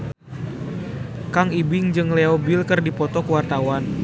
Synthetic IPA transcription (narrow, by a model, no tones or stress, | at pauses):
kaŋibɪŋd͡ʒɨŋleɔbilkɨrdipɔt̪ɔkəwart̪awan